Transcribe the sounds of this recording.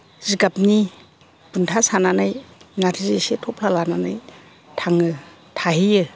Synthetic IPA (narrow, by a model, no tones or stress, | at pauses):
ziɡap̚ni | b̥untʰasananajnatʰizesetʰɔpʰlalananaj | tʰaŋɯ | tʰaɦijɯ